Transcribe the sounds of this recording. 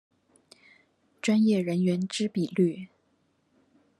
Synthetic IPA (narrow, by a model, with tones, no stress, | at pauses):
ʈ͡ʂwa˥njɛ˥˩ɻə˧˥nɥɛ˧˥nʈ͡ʂɻ̩˥pi˨˩ly˥˩